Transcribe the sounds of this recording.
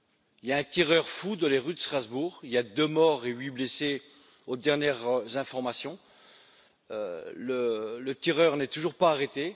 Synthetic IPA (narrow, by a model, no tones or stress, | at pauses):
iljaɛ̃t̪iʁœʁfud̪ɑ̃leʁyd̪əst̪χazbuʁiljad̪ømɔʁeɥiblese | od̪ɛʁnjɛʁzɛ̃fɔʁmasjɔ̃ | ø̰lələt̪iʁœʁnɛt̪uʒuʁpaːʁet̪e